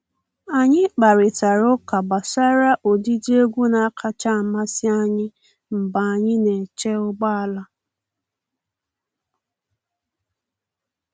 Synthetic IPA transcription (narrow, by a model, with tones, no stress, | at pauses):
a˨ɲɪ˦k͡pa˨ɾɪ˨ta˨ɾʊ˦ka˨ba˨sa˦ɾa˦ʔo˨di˦d͡ʒi˦e˦ɡʷu˦na˨˦kʰa˦t͡ʃa˦˨ma˦sɪ˦a˦ɲɪ˦ | m̩˨ba˨a˨ɲɪ˦ne˨t͡ʃe˦ʊ˦ɡ͡ba˦a˨la˦